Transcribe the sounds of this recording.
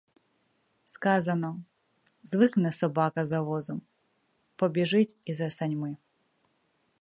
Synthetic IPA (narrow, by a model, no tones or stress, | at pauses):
skazɐnɔ | zvɨknɛsɔbakɐzɐvɔzɐm | pɔbʲɪʐɨtʲizɐsɐnʲmɨ